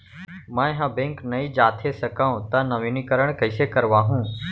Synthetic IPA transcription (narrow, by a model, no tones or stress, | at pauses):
mãːɦãːbẽŋknɐĩd͡ʒaːt̪ʰesəkaːũt̪ãnɐʋinikəɾəɽ̃kəɪsekəɾʋaːɦũː